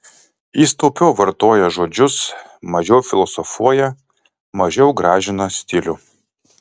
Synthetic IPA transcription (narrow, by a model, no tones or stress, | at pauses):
jiːst̪oʊpʲɛʊʋɐɾt̪oːjɛʒoːd͡ʒʲʊsmɐʒʲɛʊfʲɪlˠɔsɔfuɔjɛ | mɐʒʲɛʊɡɾɑːʒʲɪnɐsʲt̪ʲɪlʲʊ